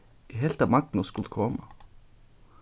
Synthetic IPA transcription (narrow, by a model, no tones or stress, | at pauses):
ɪɦelt̪ɑʋmɑk̚t̪n̩ɔskʉlt̪kʰɔmə